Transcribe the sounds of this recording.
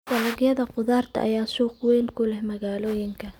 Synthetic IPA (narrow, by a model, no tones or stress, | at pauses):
d̪ɐlɐɣjɐðɐqʊðaːrt̪ʰɐ̰ʔɐ̰jaːsuːqwɛːnkʰʊlɛhmɐɣaːlɔːjɪŋkʰɐ